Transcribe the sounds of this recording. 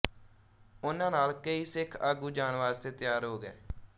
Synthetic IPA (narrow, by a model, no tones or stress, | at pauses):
ʊnãːnaːlkəiːsɪkʰaːɡuːd͡ʒaːnʋaːzt̪eːt̪ɪjaːɾɦoːɡɛ̰ː